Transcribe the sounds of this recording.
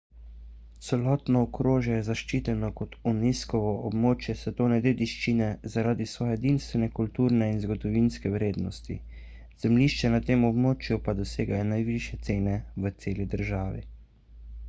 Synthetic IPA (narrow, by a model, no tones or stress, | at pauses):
t̪sɛlɔːt̪nɔːkɾoːʒjɛjɛzaʃt͡ʃiːt̪ɛnɔkɔt̪uniskɔʋɔʔɔbmoːt͡ʃjɛsɛt̪oːnɛd̪eːd̪iʃt͡ʃinɛzaɾaːd̪isʋɔːjɛd̪inst̪ʋɛnɛkult̪uːɾnɛinzɡɔd̪ɔʋinskɛwɾeːd̪nɔst̪ḭ | z̥ɛmliːʃt͡ʃɛnat̪eːmɔbmoːt͡ʃjupad̪ɔseːɡajɛnajʋiʃjɛt̪seːnɛʋət̪seːlid̪əɾʒaːʋḭ